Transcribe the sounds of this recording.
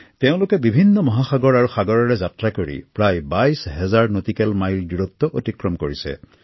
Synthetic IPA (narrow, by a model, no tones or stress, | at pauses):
teʊ̃lʊkɛbibʱinːɔmɔɦaxaɡɔɹaɹuxaɡɔɹɔɹɛzatɹakoɹḭpɹajbajsɦɛzaɹnotikɛlmajldiɹɔt̪ːɔʔotikɹɔmkoɹisɛ̰